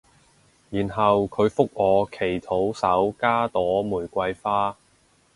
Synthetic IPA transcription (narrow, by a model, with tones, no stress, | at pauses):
jiː˨˩nɦɐ˨wkʰɵ˨˧ɥfʊ˥k̚ʔɔː˨˧kʰe˨˩jt̪ʰo˨˥wsɐ˨˥wkaː˥t̪ɔː˨˥muː˨˩jkʷɐ˧jfaː˥